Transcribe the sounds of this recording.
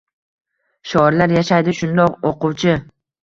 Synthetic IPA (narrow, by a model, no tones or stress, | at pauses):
ʃɒɾlaɾjaʃajd̪ɪʃʊnd̪ɒqoqʊwt͡ʃʰɪ